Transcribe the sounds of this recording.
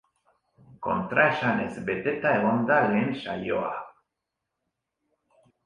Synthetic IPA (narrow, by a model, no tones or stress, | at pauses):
ko̰nt̪ɾaʃanesbet̪et̪aelond̪alenʃajo̰a̰